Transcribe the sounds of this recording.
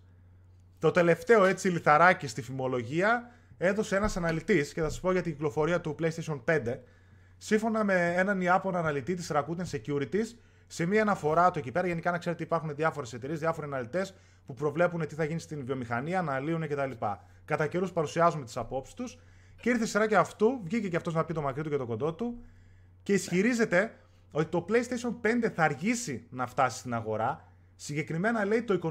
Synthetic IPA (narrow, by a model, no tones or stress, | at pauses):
t̪o̞t̪e̞le̞ft̪e̞o̞e̞t͡siliθɐɾɐcist̪ifimo̞lo̞ʝiɐ | e̞ðo̞se̞e̞nɐsɐnɐlit̪isce̞θɐsɐ̥spo̞ʝɐt̪iɲɟiklo̞fo̞ɾiɐt̪uple̞jst̪eʃio̞npe̞nd̪e̞ | siɱfo̞nɐme̞enɐniɐpo̞nɐnɐlit̪it̪̬isɾɐkut̪ensecuɾit̪is | se̞miɐːnɐfo̞ɾɐt̪uecipe̞ɾɐʝe̞nikɐnɐkse̞ɾet̪ipɐɾxuneðiɐfo̞ɾe̞se̞t̪e̞ɾiezðiɐfo̞ɾiɐnɐlit̪e̞s | pupɾo̞vle̞pune̞t̪iθɐʝinist̪invio̞mixɐniɐːnɐliunece̞t̪ɐlipɐ̰ | kɐt̪ɐce̞ɾuspɐɾusiɐzume̞t̪i̥sɐpo̞psi̥st̪us | ceiɾθesiɾɐceɐft̪uvʝiceceɐft̪o̞znɐpit̪o̞mɐkɾit̪uce̞t̪o̞kond̪o̞t̪u | ce̞isçiɾize̞t̪e̞ | o̞t̪it̪o̞ple̞ist̪eso̞npe̞nd̪e̞θɐːɾʝisinɐft̪ɐsi̥st̪inɐɣo̞ɾɐ | siɲɟe̞kɾime̞nɐle̞it̪o̞iko̞